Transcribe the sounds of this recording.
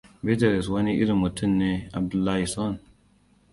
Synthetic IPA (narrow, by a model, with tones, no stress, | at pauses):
be˦te˨ɾe˨s̬wa˦ni˦ʔḭ˦ɾi˨mu˨tʰu˦˨nːe˦a̰˨b̚du˨lːa˦hi˨sɔ˦n